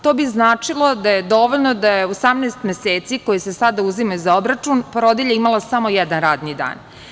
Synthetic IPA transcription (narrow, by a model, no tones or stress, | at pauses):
t̪o̞ːbiznaːt͡ʂilˠo̞d̪ajed̪o̞ʋoʎnod̪ajeosamneːst̪mʲeseːt̪siko̞jisesad̪auzimaizaobɾat͡ʂunpoɾod̪iʎeimalˠasamo̞jɛd̪anɾaːd̪nid̪a̰ːn